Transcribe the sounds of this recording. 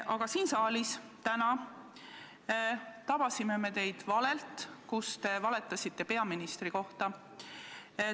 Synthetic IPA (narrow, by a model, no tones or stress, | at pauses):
ʔɑɡ̥ɑsiːnsɑːlist̪ænɑ | t̪ɑb̥ɑsime̞me̞t̪e̞jd̪̥vɑle̞lt̪kust̪e̞vɑle̞t̪ːˑɑsʲit̪ːe̞pe̞ɑminist̪riko̞ht̪ɑ